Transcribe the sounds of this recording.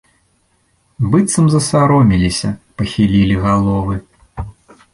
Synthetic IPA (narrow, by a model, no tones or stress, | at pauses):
bɨt̪sɐmzɐsaɾɔmʲilʲisʲɐpɐxʲilʲilʲiɣalˠɔvɨ